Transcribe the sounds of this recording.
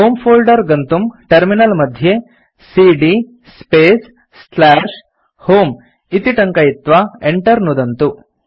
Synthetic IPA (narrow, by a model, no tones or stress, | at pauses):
ɦoːmpʰoːlɖɐɾɡɐnt̪umʈɐɾminɐlmɐd̪ʱje | siɖi | speːs | slaːʂ | hoːm | it̪iʈɐŋkɐjit̪ʋɐeɳʈɐɾnud̪ɐnt̪u